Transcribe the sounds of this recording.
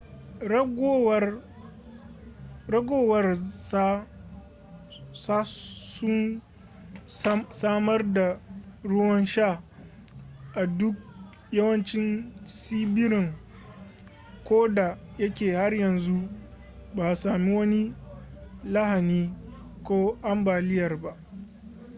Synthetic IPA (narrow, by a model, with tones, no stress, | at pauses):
ɡw | ɾɐ˦ɡoː˦wɐ˦rsa˦ | sa˦sʊ˦n | saː˦mɐ˦rda˨ɽʊ˦wɐ˦nʃa˦˨ | ʔa˨dʊ˦k̚ | jɐ˦wɐ˦nt͡ʃɪ˦nsiː˦bɪ˦ɾɪ˨ŋ | kʷoː˦da˨jɐ˦kʲeː˨ha˦rjɐ˨nzu˦ | baː˨saː˨mi˦wɐ˦ni˦ | lɐ˦ha˨niː˦ | kʷoː˦ʔa˦mbaː˨lɪ˦jɐ˨rba˦ʔ